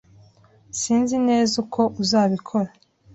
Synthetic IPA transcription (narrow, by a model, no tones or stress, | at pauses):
siːnzine̞ːzukʰo̞ʔuzaːβikʰo̞ɾa